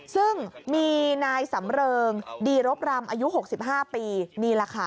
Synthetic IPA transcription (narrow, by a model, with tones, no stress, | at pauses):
sɯ˥˩ŋmiː˧naː˧jsa˩˦mɾɤː˧ŋdiː˧ɾo˦˥p̚ɾa˧mʔaː˧ju˦˥ɦo˨˩k̚si˨˩p̚ɦaː˥˩piː˧niː˧ɾaː˧kʰa˧